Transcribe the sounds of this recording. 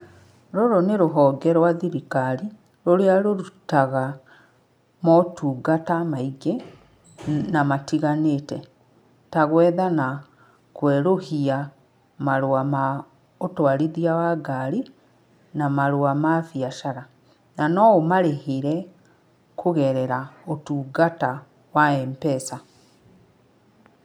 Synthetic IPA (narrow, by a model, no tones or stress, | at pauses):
ɾoɾoneɾoɦɔːɡɛɾwaðiɾikaɾi | ɾoɾeaɾoɾutaɣa | mɔtʰuːɡatamaiɡe | namatiɣanetɛ | taɣwɛðana | kwɛɾohia | maɾoama | otwaɾiðiawaɡaɾi | namaɾowamafjaʃaɾa | nanɔomaɾehiɾɛ | kʰoɣɛɾɛɾaotuːɡata | waɛmpɛsa